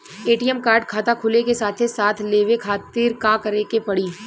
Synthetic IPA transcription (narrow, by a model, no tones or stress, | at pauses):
eːʈiːɛmkaːɾɖ̚kʰaːt̪akʰʊlekesaːt̪ʰesaːt̪ʰleːʋekʰaːt̪iːɾkãːkɐɾekepɐɽiː